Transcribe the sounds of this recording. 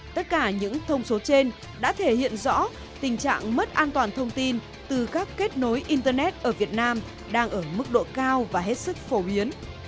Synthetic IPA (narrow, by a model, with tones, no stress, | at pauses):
t̪ə˦˥t̚kaː˧˩ɲɨ̰˧˥ŋt̪ʰə˧wŋ͡mso˨˦t͡ɕe˧n | ɗa̰ː˧˥t̪ʰe˧˩hḭ˧˨ənzɔ̰˧˥ | t̪ï˨˩ŋ̟t͡ɕa̰ː˧˨ŋmə˦˥t̚ʔaː˧nt̪waː˨˩nt̪ʰə˧wŋ͡mt̪i˧n | t̪ɨ˨˩kaː˦˥kːe˦˥t̚no˨˦jʔi˧nt̪ə˧nɛ˦˥t̚ʔəː˧˩vi˨˩ət̚naː˧m | ɗaː˧ŋʔəː˧˩mɨ˦˥k̚ɗo̰˧˨kaː˧wvaː˨˩ɦe˦˥t̚sɨ˦˥k̚fo˨˦ɓi˨˦ən